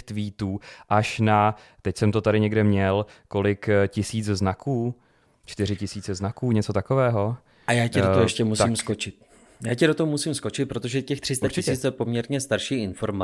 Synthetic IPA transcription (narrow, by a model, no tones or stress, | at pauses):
t̪viːt̪uːʔaʃna | t̪ɛcsɛmt̪ot̪aɾɪɲɛɡdɛmɲɛlko̞lɪkcɪsiːt͡sznakʰuː | t͡ʃt̪ɪɾɪcɪsiːt͡sɛznakuːɲɛt͡so̞t̪ako̞vɛːɦo̞ | ʔajaːcɛdooɦojɛʃcɛmust̪iːmskot͡ʃɪt̪̚ | jaːcɛɾot̪oɦomusiːmsko̞t͡ʃɪt̪̚pɾo̞t̪oʒɛcɛxt̪r̥ɪst̪at͡ʃɪsɛiːt͡sɛpo̞mɲɛɾɲɛst̪aɾʃiːʔɪnfo̞ɾma